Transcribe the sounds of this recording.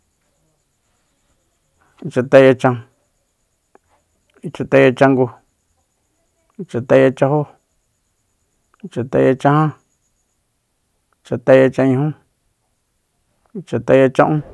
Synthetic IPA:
i˧t͡ʃa˧t̪a˧˦ja˧t͡ʃã˧ | i˧t͡ʃa˧t̪a˧a˧t͡ʃã˧ŋɡu˧ | i˧t͡ʃa˧t̪a˧a˧t͡ʃa˧ho˦˧ | t͡ʃa˧t̪a˧a˧t͡ʃã˧hã˦˧ | t͡ʃa˧t̪a˧ja˧t͡ʃã˧ɲĩ˧hũ˦ | i˧t͡ʃa˧t̪a˧a˧t͡ʃã˧ʔũ˦

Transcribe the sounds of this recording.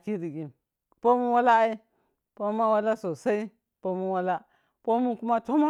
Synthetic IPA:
ki˦ɾi˨ɡi˨m | po˦mu˦wa˦la˦i˦ | po˦ma˦wa˦la˦so˨sa˦i˦ | po˦mu˦wa˦la˦ | po˦mu˦ku˦ma˦to˦ma˦

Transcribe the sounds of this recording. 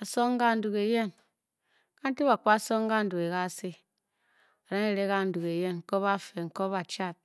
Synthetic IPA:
a˨so˦ŋ˦ɡa˦n̩˨˦du˨ke˨je˦n | ka˦n̩˦ti˦βa˨kʷa˦so˦ŋ˦ɡa˦n̩˦du˨ke˨ka˦˨si˦ | a˨ɾa˦ŋe˦ɾe˦ka˦n̩˨du˨ke˨je˦nŋ̩˨ko˦βa˦fe˨ŋ̩˨ko˦βa˨t͡ʃa˦˨t̚

